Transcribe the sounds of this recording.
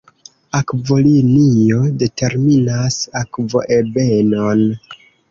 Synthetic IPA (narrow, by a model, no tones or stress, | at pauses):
akvo̞linio̞de̞tʰe̞ɾminasakvo̞̰ʔebeno̞n